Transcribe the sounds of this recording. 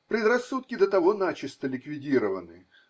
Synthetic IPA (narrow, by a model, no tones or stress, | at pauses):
pɾʲɪd̪rɐsːut̪̚kʲɪd̪ət̪ɐvo̞nat͡ɕɪst̪əlʲɪkvʲɪdʲiɾəvə̰nɨ